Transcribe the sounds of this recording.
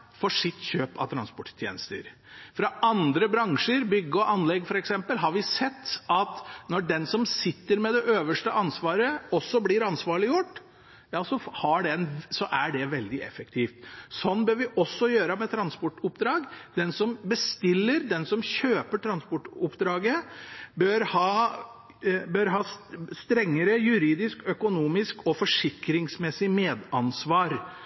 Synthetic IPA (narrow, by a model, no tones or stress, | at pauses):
fɔʂɪt̪ːɕøːpɑ̰ʋt̪ʰɾɑnspɔʈt̪ʰjḛːnəst̪ə̰ɾ | fɾɑʔɑnd̪ɾəbɾɑŋʂəɾbʏɡːəɔʔɑnlɛɡfɔɾɛksɛmpəlɦɑɾʋɪsɛt̪ːɑt̪nɔɖɛnsɔmsɪt̪ːəɾmɛd̪ɛʔøːʋəʂʈəʔɑnsʋɑːɾəɔsːɔblɪɾɑnsʋɑːɭɪjʊʈː | jɑːsɔhɑɖɛnsɔʔæɖɛʋɛld̪ɪɛ̰fəkt̪ʰiːft̪sɔnːbøːɾʋɪʔɔsːɔjøːɾəmɛt̪ʰɾɑnspɔʈːʊpd̪ɾɑːɡd̪ɛnsɔmbəst̪ɪlːəɾd̪ɛnsɔmçøːpəʈʰɾɑnspɔʈːʊpːd̪ɾɑːɡəbøɾhɑː | bøɾɦɑːst̪ɾɛŋːəɾəjʉɾiːd̪ɪskœkʊnuːmɪskɔfɔʂɪkɾɪŋsmɛsːɪmeːd̪ɑnsʋɑːɾ